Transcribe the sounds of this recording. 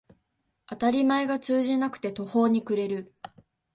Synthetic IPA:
at̪aɾʲimae̞ɡat͡sɨːʑinakɯ̟̥t̪e̞t̪o̞ho̞ːɲ̟ikɯ̟ɾe̞ɾɯ̟

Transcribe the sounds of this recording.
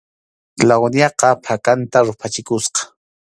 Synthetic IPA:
lawnjɑqɑpʰakant̪aɾʊpʰat͡ʃɪkʊsqɑ̥

